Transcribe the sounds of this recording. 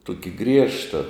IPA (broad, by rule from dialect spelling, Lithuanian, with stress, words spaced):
ˈtʊkʲɪ ˈɡrʲiɛʃtɐ